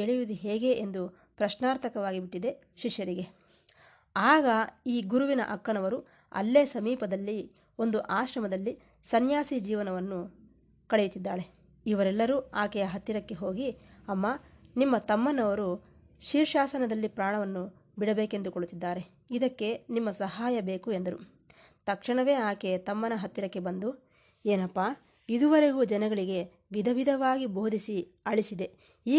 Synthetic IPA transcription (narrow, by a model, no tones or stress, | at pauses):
eɭijud̪iɦeːɡe̞ʔend̪u | pɾɐʃnaːɾt̪ʰɐkɐʋaːɡibiʈːid̪e̞ | ʃiʂjɐɾiɡe̞ | aːɡɐiːɡuɾuʋinɐ̰ʔɐkːɐnɐʋɐɾu | ɐ̰lːeːsɐmiːpɐd̪ɐlːi | o̞nd̪uʔaːʃɾɐmɐd̪ɐlːi | sɐnjaːsid͡ʒiːʋɐnɐʋɐnːu | kɐɭejut̪ːid̪ːaːɾe | iʋɐɾɛlːɐɾuaːkɛjɐɦɐt̪ːiɾɐkːe̞ɦo̞ːɡiɐmːaːnimːɐt̪ɐmːɐnɐʋɐɾu | ʃiːɾʃaːsɐnɐd̪ɐlːipɾaːɳɐʋɐnːu | biɽɐbeːke̞nd̪ukoɭut̪ːid̪ːaːɾe̞ | id̪ɐkːe̞nimːɐsɐɦaːjɐbe̞ːkue̞nd̪ɐɾṵ | t̪ɐkʂɐɳɐʋe̞ːaːkeɐt̪ɐmːɐnɐɦɐt̪ːiɾɐkːe̞bɐnd̪u | eːnɐpːaː | id̪uʋɐɾeɡuːd͡ʒɐnɐɡɐɭiɡe̞ | ʋid̪ʱɐʋid̪ʱɐʋaːɡibo̞ːd̪ʱisi | ɐɭisid̪e | iː